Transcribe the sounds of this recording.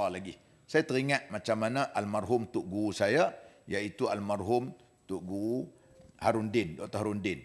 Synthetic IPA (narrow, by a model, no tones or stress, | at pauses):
alaɡih | sajat̪əɾiŋat̪̚mat͡ʃamːanaʔalmarɦʊmt̪ʊʔɡuusajajait̪ualmarɦʊm | t̪ʊʔɡuu | haɾundɪndɔʔt̪oɦaɾundɪn